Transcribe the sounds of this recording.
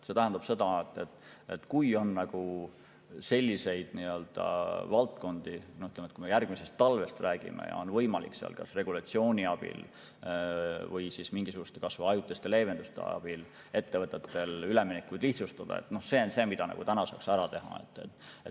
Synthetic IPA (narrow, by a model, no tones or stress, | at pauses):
se̞t̪æɦænd̪̥ɑb̥se̞d̪̥ɑet̪ːˑet̪ːˑet̪ːkujo̞nːɑɡ̥u | se̞lʲːise̞jd̪̥niø̞ld̪̥ɑ̰vɑlt̪ko̞nd̪̥inohyt̪lemet̪kuimejærɡ̥mise̞st̪ːɑlve̞st̪ræːɡ̥ḭmḛjɑ̰o̞nvɤjmɑlḭkseɑ̰lkɑsre̞ɡ̥ulɑt̪sio̞ːnʲiɑb̥ḭl | vɤjsismiŋɡ̥isuɡ̥ust̪e̞kɑsvɑɑjut̪ːˑest̪ele̞ːve̞nd̪̥ust̪ḛɑ̰b̥il | e̞t̪ːe̞vɤt̪ːˑet̪ːe̞lyleminekːˑujd̪̥liht̪sust̪ɑd̪̥ɑ̰ḛt̪ːˑno̞hse̞ːonse̞ːmid̪ɑnɑ̰ɡ̥ut̪ænɑsɑ̰ːksæɾɑt̪e̞ɦɑ̰e̞̰t̪ːˑet̪ːe